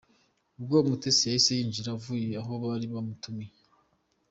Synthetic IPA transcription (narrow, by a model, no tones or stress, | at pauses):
ubɡomutesejisejiːnd͡ʒiɾavuje̞aɦo̞βaɾiβamutume